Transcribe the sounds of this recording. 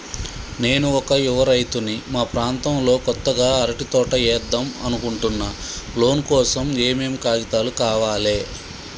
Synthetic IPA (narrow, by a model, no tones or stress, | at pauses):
ne̞ːnuɔkɐiʋɐɾɐjt̪unimaːpɾaːnt̪ɐmlo̞ːkɔt̪ːɐɡaːɐɾɐʈit̪ɔːʈɐɛːɾd̪ːɐmɐ̰nukuɳʈunːɐlo̞ːnkɔːsɐmeːmeːmkaːɡit̪aːlukaːʋaːle̞ː